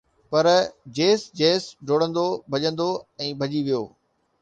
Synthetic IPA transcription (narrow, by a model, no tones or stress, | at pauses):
pɐɾd͡ʑeːsd͡ʑeːsɖʱoːɽə̃nd̪obʱɐʄə̃nd̪oɛ̃ːbʱɐʄiʋijoː